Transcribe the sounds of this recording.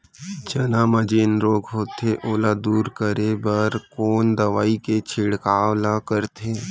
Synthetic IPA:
d͡ʒɐnãːməd͡ʒeːnɾoːɡɦoːt̪eʔoːlad̪uːɾkəɾebəɾkoːnd̪ɐʋaːiket͡ʃʰɪɽkaːwlãkəɾt̪ʰeː

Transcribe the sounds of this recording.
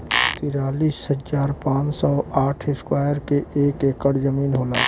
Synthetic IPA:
t̪iːɾaːliːshəzaːɾpãːt͡ʃsɔːaːʈʰɪskwaːjəɾkeeːkeːkəɽzəmiːnɦoːlaː

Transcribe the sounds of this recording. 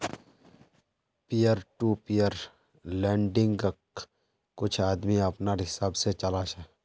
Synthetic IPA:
pijəɾʈuːpijəɾ | lɛ̃ːɳɖɪ̃ŋɡ | kːʊt͡ʃʰaːd̪miɐpnaɦɪsaːbset͡ʃɐlaːʃɛː

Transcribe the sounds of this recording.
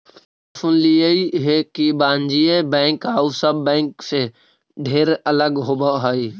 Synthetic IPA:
əfʊnliəiɦekibãːɲd͡ʒiebɛ̃ːŋkɦaːusəbːɛ̃ːŋkse | ɖʱeːɾɐləɡɦoːbaɦaiː

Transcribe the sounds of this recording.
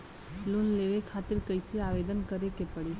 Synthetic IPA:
lʊnleʋekʰaːt̪ɪɾkəɪsiaːʋeːd̪ənkəɾekepəɽi

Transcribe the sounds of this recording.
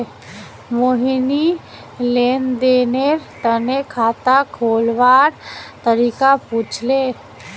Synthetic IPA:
moɦini | leːnd̪eːneɾt̪ənekʰaːt̪akʰoːlʋaːɾt̪əɾikaput͡ʃʰle

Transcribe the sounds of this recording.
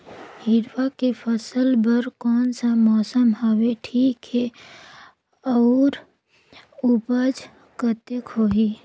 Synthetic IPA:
hɪɾʋakepʰəsəlbəɾkɔːnsamɔːsəmɦaʋeʈʰiːkɦɛ | ɔːɾ | upəd͡ʒ | kət̪eəkɦoːɦiː

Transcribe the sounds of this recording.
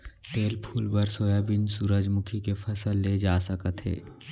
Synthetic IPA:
t̪eːlpʰuːlbəɾsoːjabɪnsuɾəd͡ʒmʊkʰikepʰəsəlːed͡ʒaːsəkət̪ɦḛː

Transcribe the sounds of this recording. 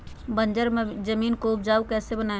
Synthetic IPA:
bə̃nd͡ʒəɾd͡ʒəmiːnkoːb̚d͡ʒaːukɛːsebɐnaːe

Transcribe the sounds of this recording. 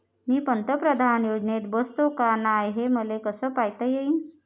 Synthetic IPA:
miːpənt̪əpɾəd̪ʱanjod͡ʑnet̪bəst̪okanajɦeməlekəsəːpajt̪əjeiːn

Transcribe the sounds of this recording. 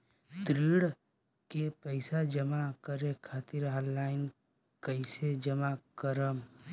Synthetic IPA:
t̪ɾiɽ | kepəɪsad͡ʒəmakəɾekʰaːt̪ɪɾɦaːlaːɪn | kəɪsed͡ʒəmakəɾəm

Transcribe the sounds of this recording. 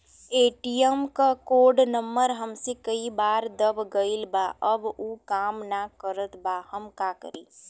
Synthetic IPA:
eːʈijəmkakoːɖnəmːəɾɦəmsekəibaːɾd̪əbɡəilbaːʔəbuːkaːmnakəɾət̪ʰbaːhəmkaːkə̰ɾiː

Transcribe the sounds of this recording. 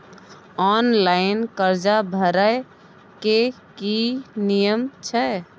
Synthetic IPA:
ɔnlaɪnkəɾd͡ʒabʱəɾə | ke | kinijəmt͡ʃʰɛ

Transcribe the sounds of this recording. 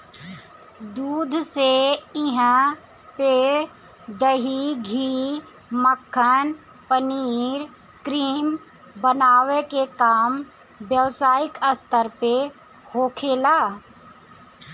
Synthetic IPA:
d̪uːd̪ʱseɪɦə̃ | pe | d̪əɦiɡʱiː | məkʰːən | pəniːɾ | kɾiːm | bənaːwekekaːm | bjəʋsaːɪkəst̪əɾpe | hoːkʰeːlaː

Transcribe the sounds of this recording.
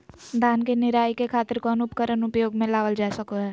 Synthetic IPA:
d̪ʱaːnkenɪɾaːjkekʰaːt̪əɾkɔːnʊpkəɾənʊpjoːɡmẽlaːʋəld͡ʒaːsəkoɦɛː

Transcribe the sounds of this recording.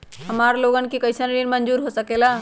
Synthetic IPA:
ɦəmaɾloɡənkikəɪsənɾinmənd͡ʒuːɾɦosəkela

